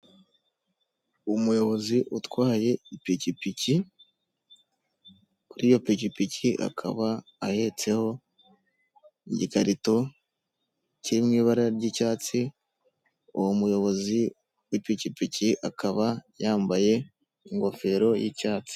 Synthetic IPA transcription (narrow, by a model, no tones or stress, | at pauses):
umujo̞βo̞ziʔutwaːje̞ipicipici | kuɾijo̞picipiciʔa̰kʰa̰βaːhe̞t͡se̞ho̞ | iɟikaɾito̞ | ciɾimŋiːβaɾaɾɟicaːt͡si | uwomujo̞βo̞zi | wipicipiciʔakʰaβajaːmbaje̞ | iŋɡo̞fe̞ɾo̞jicaːt͡si̥